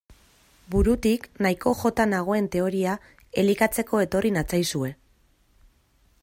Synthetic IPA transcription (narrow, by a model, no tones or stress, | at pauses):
buɾut̪iknajko̞ʝo̞t̪anaɣ̞o̞e̞nt̪e̞o̞ɾia | e̞likat͡se̞ko̞e̞t̪o̞rinat͡sajsue̞